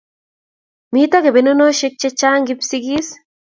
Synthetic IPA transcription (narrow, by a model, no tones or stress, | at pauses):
miːt̪aɡebenonoʃek̚t͡ʃɛt͡ʃːaːŋɡipsiɡis